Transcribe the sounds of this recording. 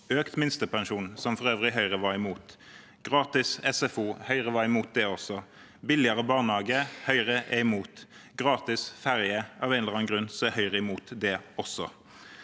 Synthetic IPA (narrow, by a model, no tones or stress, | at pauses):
øːkt̪mɪnst̪əpʰɑnʃuːnsɔmfɔʁøːʋʁɪɦœʏʁəʋɑɪmuːt̪ | ɡ̥ʁɑːt̪ɪsɛsɛfuːhœʏʁəʋɑːɪmuːt̪̚d̪ɛɔsɔ | bɪlɪɑʁəbɑːʁnhɑːɡəhœʏʁəʔɛɪmuːt̪ɡ̥ʁɑːt̪ɪsfæʁjəʔɑ̰ːʋɛnləʁɑːnɡʁʉnsɔɛhœʏʁəɪmuːt̪d̪ɛɔsɔ̰